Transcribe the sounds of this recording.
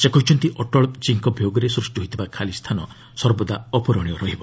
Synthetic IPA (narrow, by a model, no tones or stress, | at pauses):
sekɔɦit͡ʃʰɔnt̪iʔɔʈɔɭt͡ʃiŋkɔbʱjoɡɔɾesɾusʈiɦojt̪ʰibakʰalist̪ʰanɔ | sɔɾbɔd̪aɔpɔɾɔɽ̃ijɔɾɔɦibɔ